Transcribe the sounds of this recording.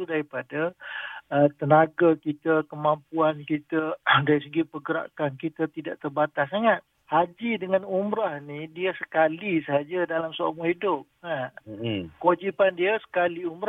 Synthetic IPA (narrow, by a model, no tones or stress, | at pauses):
udaɾipada | ət̪ənaɡakit̪akəmampuankit̪adaɾisəɡipəɡəɾa̰kankit̪at̪idaʔt̪ərbat̪asaŋat̪̚ | had͡ʒidəŋãnumɾahnidiəsə̥kalisəɦad͡ʒadalamsoa̰mohidʊp̚a | kəwad͡ʒipandiəsə̥kaliumɾa